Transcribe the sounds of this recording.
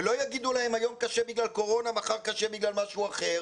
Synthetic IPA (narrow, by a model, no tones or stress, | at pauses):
elo̞jaɡid̪ulahemajo̞mkaʃebiɡlalko̞ʁo̞namaχaʁkaʃebiɡlalmaʃuaχe̞ʁ